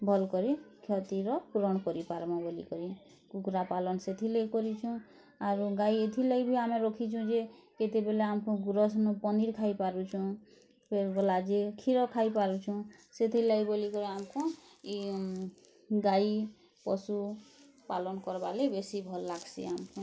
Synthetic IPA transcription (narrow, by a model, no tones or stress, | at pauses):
bʱɔlkɔɾikʰjɔt̪iɾɔpɾɔɽkɔɾipaɾmɔ̃bolḭkɔɾi | kukɾapalɔnɔset̪ʰilejkɔɾit͡ʃʰũ | aɾuɡaiet̪ʰilejbʱiameɾɔkʰit͡ʃʰũd͡ʒeket̪ebeleamkɔ̃ɡuɾɔsnɔpɔniɾkʰaipaɾut͡ʃʰɔ̃ | pʰeɾbɔlad͡ʒekʰiɾɔkʰaipaɾut͡ʃʰɔ̃set̪ʰilajbolikɔɾiamɔkʰũ | ɡai | pɔsu | palɔnkɔɾbalebesibʱɔlːaɡsḭamkʰũ